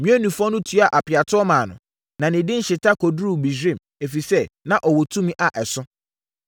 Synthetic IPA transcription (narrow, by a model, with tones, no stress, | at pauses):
mĩ˦ɛ˦nũ˨fɔ̃˦nʊ̃˦tʰu˦a˨ʔa˨pʰɪ˨a˨tʰʊ˦ɔ˦mãː˨nʊ̰̃˨ | nã˨nɪ̃˨dɪ̃˦n̩˦ɕɪ˨tʰa˦kʰɔ˨dɾu˦˨bi˨d͡ʑɪ̃˦˨m | e˨fi˨sɛ˦nã˨ʔɔ˨wɔ˨tʰũ˦mĩ˦ʔa˨ʔɛ˨sʊ̃˦